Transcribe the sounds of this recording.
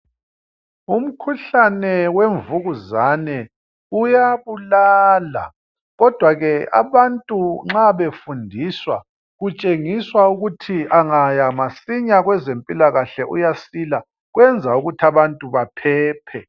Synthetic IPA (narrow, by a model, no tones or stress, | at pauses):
um̩kʰuɬanɛweɱvuɣuzanɛ | ujaβulaːla̰ | ɣɔd̥ʱwaɣɛa̰βantʼuŋ͡ǁaβefundʱiswa | ɣut͡ʃʼeŋiswauɣutʰiʔaŋajamasiɲaɣwɛzempʼilaɣaɬɛʔṵjasila | ɣwɛnd͡zʱauɣutʰiaβantʼuβapʰɛːpʰɛ